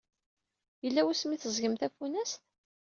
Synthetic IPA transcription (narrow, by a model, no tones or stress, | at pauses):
jəlːæwæsmiθəzɡəmθæfunæst̪